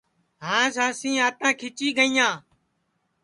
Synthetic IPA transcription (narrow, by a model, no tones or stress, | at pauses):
ɦãːsãːsĩːaːt̪ãːkʰɪt͡ʃiːɡəĩːjãː